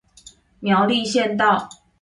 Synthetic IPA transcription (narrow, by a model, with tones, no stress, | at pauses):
mjɑ˧˦ʊli˥˧ɕjɛ˥˧nt̪ɑ˥˨ʊ